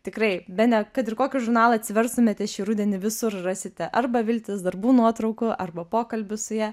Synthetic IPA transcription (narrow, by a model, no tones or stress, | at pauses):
t̪ʲɪkrɐɪbʲɛnʲɛkɐt̪ɪrkoːkʲɪʒʊɾnɑːlˠɐt̪ʲsʲɪʋʲɛrst̪ʊmʲeːt̪ʲɛʃʲiːrʊd̪ʲɛnʲɪʋʲɪsʊrrɑːsʲɪt̪ʲɛʔɐrbɐʋʲɪlʲt̪ʲɪsd̪ɐrbuːnuɔt̪ɾɐʊkʊʔɐrbɐpoːkɐlʲbʲʊsʊjæː